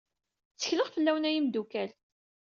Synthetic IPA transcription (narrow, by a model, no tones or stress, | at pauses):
t͡sːə̥çləʁfəlːæwnæjimd̪ukæl